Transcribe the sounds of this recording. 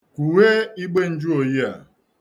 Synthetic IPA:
ku˨we˦i˦ɡ͡be˦n̩˦d͡ʒu˦o˨ji˦a̰˨

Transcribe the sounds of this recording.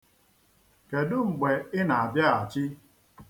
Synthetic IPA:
ke˨dʊ˦ŋ͡m̩˨ɡ͡be˨ɪ˦na˨a˨bja˦a˨t͡ʃɪ˦

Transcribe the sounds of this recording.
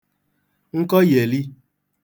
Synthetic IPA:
ŋ̩˦kɔ˦je˨li˦

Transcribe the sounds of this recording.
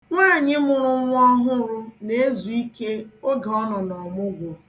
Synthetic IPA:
ŋʷaː˦˨ɲɪ˦mʊ˦ɾʊ˦ŋʷ˦ɔ˦ɦʊ˦ɾʊ˦ne˦zu˨i˦ke˦o˦ɡa˨ɔ˦nɔ˨nɔ˨mʊ˦ɡʷo˨

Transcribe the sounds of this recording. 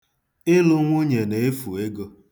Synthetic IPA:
ɪ˦lʊ˦ŋʷʊ˦ɲe˨ne˨e˦fu˨e˦ɡo˦

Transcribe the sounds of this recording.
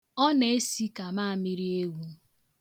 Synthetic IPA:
ɔ˦ne˨e˦si˦ka˨ma˦˨mi˦ɾi˦e˦ɡu˦

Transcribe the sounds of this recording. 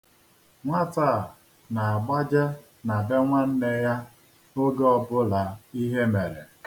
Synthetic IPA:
ŋʷa˦ta˦˨ | na˨a˨ɡ͡ba˦d͡ʒe˦ | na˨be˦ŋʷa˦n̩˦ne˦ja˦ | o˦ɡe˦ɔ˦bʊ˦la˨i˦ɦe˦me˨ɾḛ˨

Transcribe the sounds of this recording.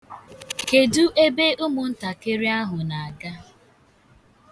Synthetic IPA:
ke˨du˦ʔe˦be˦ʔʊ˦mʊ˨n̩˦ta˨ke˦ɾi˦a˦ɦʊ˨na˨a˨ɡa˦

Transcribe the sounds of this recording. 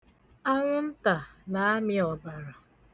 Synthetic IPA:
a˦ɾʊ˦n̩˦ta˨na˨a˦mɪ˦ɔ˨ba˨ɾa˨

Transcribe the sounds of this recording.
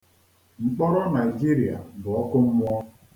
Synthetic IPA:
ŋ͡m̩˨k͡pɔ˦ɾɔ˦na˨i˨d͡ʒi˦ɾi˨a̰˨bʊ˨ɔ˦kʊ˦m̩˦mʊ˦ɔ˦

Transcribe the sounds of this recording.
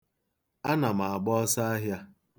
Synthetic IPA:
a˦na˨ma˨a˨ɡ͡bɔ˦ɔ˦sa˦a˦ɦja˦

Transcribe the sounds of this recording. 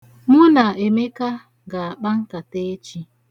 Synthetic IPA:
mʊ˦na˨e˨me˦ka˦ | ɡa˨a˨k͡pa˦ŋ̩˦ka˨te˦t͡ʃi˦

